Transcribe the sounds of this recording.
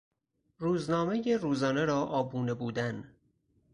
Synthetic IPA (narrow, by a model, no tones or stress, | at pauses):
ruːznɒːmejeɾuːzɒːne̞ɾɒːʔɒːbuːnebuːd̪æn